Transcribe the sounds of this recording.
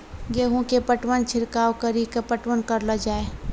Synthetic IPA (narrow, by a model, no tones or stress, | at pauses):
ɡeːɦũkepəʈwənt͡ʃʰɪɾkaːwkəɾikapəʈwənkəɾləd͡ʒaːeː